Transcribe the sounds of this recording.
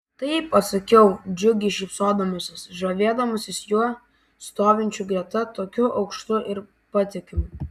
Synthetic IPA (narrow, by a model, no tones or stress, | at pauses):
t̪ɐɪipːɐt̪sɐkʲɛʊd͡ʒʲʊɡʲɪʃʲɪpsoːd̪ɐmʊsʲɪsʒoʋʲeːd̪ɐmʊsʲɪsjuɔ | st̪oːʋʲɪnʲt͡ʃʲuɡɾʲɛt̪ɐt̪oːkʲʊʔɐʊkʃt̪ʊʔɪɾ | pɐt̪ʲɪkʲɪmʊ